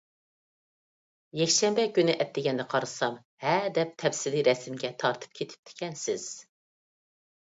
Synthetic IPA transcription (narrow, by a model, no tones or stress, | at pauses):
jɛkʲʃɛmbɛkʲynɪʔɛt̪ːɪɡʲɛnd̪ɛqʰɑɾɨsɑm | hɛd̪ɛp̚t̪ʰɛfsɪliɾɛsɪmɡʲɛt̪ʰɑɾt̪ʰɨ̥p̚kʲʰet̪ʰɪ̥p̚t̪ʰɪ̥kʲʰɛnsɪz̥